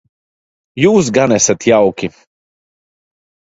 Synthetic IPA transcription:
juːs̬ɡanɛsat̪jawkʲi

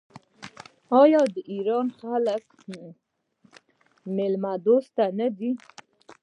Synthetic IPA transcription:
ɑjɑd̪əʔiɾɑnxalək | mɪlmad̪ost̪anad̪i

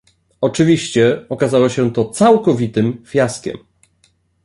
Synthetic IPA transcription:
ɔt͡ʂɘvʲiɕt͡ɕɛɔkazawɔɕɛ̃t̪ɔt̪sawkɔvʲit̪ɘmfʲjaskʲɛ̰m

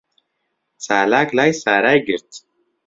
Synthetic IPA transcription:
saːlaːklajsaːɾajɡʲɪɾt̪ʰʼ

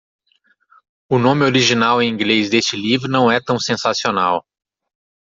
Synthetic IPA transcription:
ʊnõmɪoɾiʒinawẽĩɡlezd̪est͡ʃɪlivɾʊnɐ̃w̃ɛt̪ɐ̃w̃sẽsasionaw

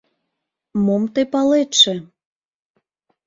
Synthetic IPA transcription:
momt̪epɑlet̪ʃĕ

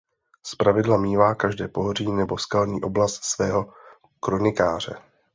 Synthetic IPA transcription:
spɾavɪdlamiːvaːkaʒdɛːpo̞ɦor̝iːnɛbo̞skalɲiːʔo̞blast̪svɛːɦo̞ | kɾo̞nɪkaːr̝̥ɛ̰

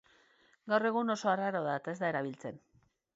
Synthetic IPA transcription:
ɡawre̞ɣ̞uno̞so̞araɾo̞ðaet̪ae̞zd̪ae̞ɾaβ̞ilt͡se̞n

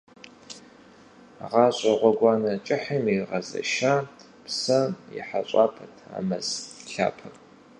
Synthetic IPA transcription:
ʁɑːɕʼɐʁʷɔɡʷɑːnɐt͡ʃʼɪħəmiʁɐzɐ̰ʃaː | psɐjɪ̰ħaɕʷʼaːpʰɐtʰa̰ːmɐzɬa̰ːpʰɐpʼ

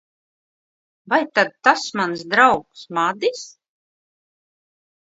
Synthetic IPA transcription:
vajt̪ad̪̚t̪asmans̬d̪ɾawksmad̪is

